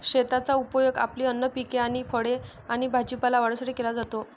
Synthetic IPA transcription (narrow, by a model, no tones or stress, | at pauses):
ɕet̪at͡saupəjoɡa̰pliːənːəpikeaɽ̃ifʰəɽe | aɽ̃ibʱad͡ʑipalaʋaɽəsaʈʰiːkelad͡zat̪o